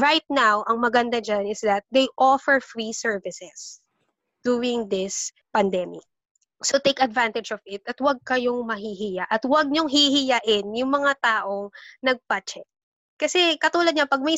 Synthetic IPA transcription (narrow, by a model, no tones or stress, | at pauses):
ɹajt̪̚nawʔɐŋmɐɡɐnd̪ad͡ʒanɪsd̪ɐt̪̚d̪ejʔɔfɛɹfɹisɛɹvɪsɛs | d̪̥uːɪŋd̪ɪs | pɐnd̪ɛmɪ̰k̚ | sot̪ejkɐd̪vant̪ɛd͡ʒɔvɪt̪ɐt̪wɐɡ̚kɐjoŋmɐɦiɦijaʔɐt̪wɐɡ̚ɲoŋɦihɪjaʔɪnjʊŋmɐŋat̪aːʔoŋnɐɡ̚pɐt͡ʃɛk̚ | kɐsɛkɐt̪uːlɐd̪̚ɲapɐɡ̚mɐj